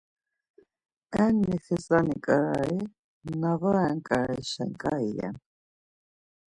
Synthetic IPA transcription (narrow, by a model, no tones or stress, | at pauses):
ɛnːiθisʼanikʼaɾai | navaɛŋkʼaɾaiʃɛ̰ŋkʼaijɛ̰n